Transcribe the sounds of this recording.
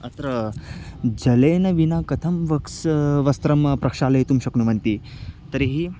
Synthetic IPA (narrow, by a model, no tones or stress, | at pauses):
ɐt̪ɾɐ | d͡ʒɐleːnɐʋinakɐt̪ʰɐmʋɐksʋɐst̪ɾɐmpɾɐkʂaːlɐɦit̪umɕɐknumɐnt̪i | t̪ɐɾiɦi